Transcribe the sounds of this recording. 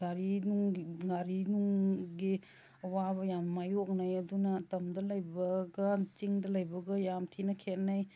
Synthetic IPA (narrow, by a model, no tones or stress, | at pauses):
ɡaɾinuŋɡaɾinuŋɡi | ɐwabɐjammajok̚najɐdunɐtɐmdɐlɐjbɐɡɐt͡ʃiŋdɐlɐjbɐɡɐjamtʰinɐkʰet̚naj